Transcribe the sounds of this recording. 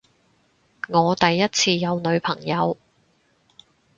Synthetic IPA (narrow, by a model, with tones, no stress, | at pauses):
ŋɔː˨˧t̪ɐ˨jːɐ˥t̚t͡sʰiː˧jɐ˨˧wnɵ˨˧ɥpʰɐ̰˨˩ŋjɐ˨˧w